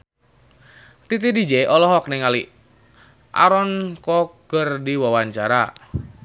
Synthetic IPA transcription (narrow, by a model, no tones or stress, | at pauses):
t̪it̪̬idid͡ʒɛʔɔlɔɦɔk̚nɛŋali | ʔa̰ɾɔnkɔɡ̥ərdiwawaɲt͡ʃaɾa